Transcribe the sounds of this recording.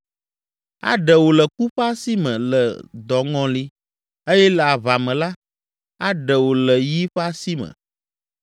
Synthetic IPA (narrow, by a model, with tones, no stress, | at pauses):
a̰˨ɖə˨wo˨lə˨ku˦ɸa˦si˦mɛ̰̃˨lə˨d̪ɔ˨ŋɔ̃˦li˦ | e˦jɛ˦lə˨a˨va˨mɛ̃˨la˦ | a˦ɖɛ˨wo˨lə˨ji˦ɸa˦si˦mə̰̃˨